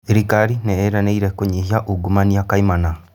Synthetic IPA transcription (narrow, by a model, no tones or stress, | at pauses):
eɾikaɾineeɾaneiɾekoɲiɦiaʔuɡumaniakaimana